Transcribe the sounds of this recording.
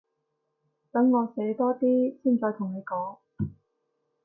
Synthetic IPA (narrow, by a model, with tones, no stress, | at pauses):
t̪ɐ˨˥ŋːɔː˨˧se˨˥jt̪ɔː˥t̪iː˥siː˥˩nt͡sɔː˧t̪ʰʊ˨˩ŋne˨˧jkɔː˨˥ŋ